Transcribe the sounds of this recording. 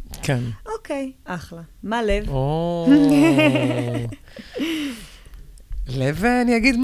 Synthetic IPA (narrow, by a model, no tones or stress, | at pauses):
kʰɛnokejʔaχlamalevo | leveaniaɡid̪m